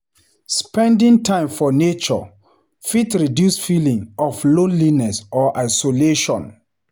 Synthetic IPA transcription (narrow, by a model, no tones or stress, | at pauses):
spɛ̃ndĩŋtʰãɪ̃mfɔnet͡ʃɔ̰ | fitɹidjusfilĩŋɔflõnlinɛsɔʔaɪsoleʃɔ̰̃n